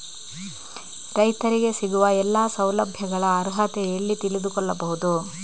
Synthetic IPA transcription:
ɾɐjt̪ɐɾiɡe̞siɡuʋɐɛlːaːsɐwlɐbʱjɐɡɐɭɐːɾɦɐt̪ɛɐlːit̪ilid̪ukɔɭːɐbɐɦud̪u

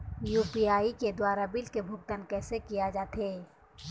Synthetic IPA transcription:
juːpiaːiked̪waːɾabɪlkebʱʊɡ̚t̪ənkɛːsekijad͡ʒaːt̪eː

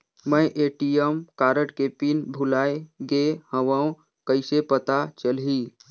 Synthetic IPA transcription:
məjʔeʈijəmkaɾəʈkepinbʱulajɡehəʋəũ | kəɪsepət̪at͡ʃəlɦi

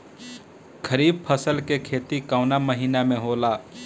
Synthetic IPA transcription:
kʰəɾiːb̚pʰəsəlkekʰeːt̪ikaʊnaməɦiːnamẽɦoːla

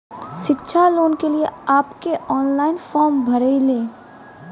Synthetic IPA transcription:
ʃɪkʃʰaloːnkelieaːpkeɔːnlaːɪnfɔːɾmbʱɐɾeileː

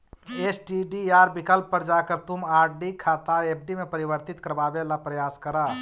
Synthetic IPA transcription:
esʈiɖijaːɾbɪkəlpːəɾd͡ʒaːkəɾt̪ʊmaːɾɖikʰaːt̪aeːp̚ʰɖimepəɾibəɾt̪ɪt̪kəɾbaːbelapɾəjaːskəɾa

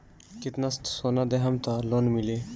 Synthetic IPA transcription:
kit̪nast̪soːnad̪eɦɐmt̪aloːnmile

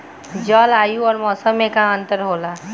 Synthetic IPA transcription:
d͡ʒɔːlaːjuɔːɾmɔːsəmːẽkãə̃nt̪əɾɦoːla

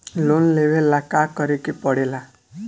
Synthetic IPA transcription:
lonleʋelːakakəɾikepɔɽela

